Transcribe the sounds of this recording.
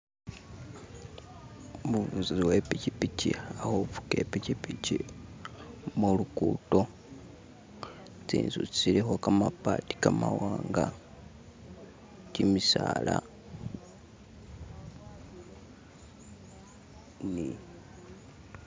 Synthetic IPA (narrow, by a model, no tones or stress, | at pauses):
muuziiwepicipiciahofu̥ke̞picipici | mulukuto̞ | t͡sḭːnzut͡si̥t͡silexokamapati̥kamawaːŋɡa | cimisaːla | ni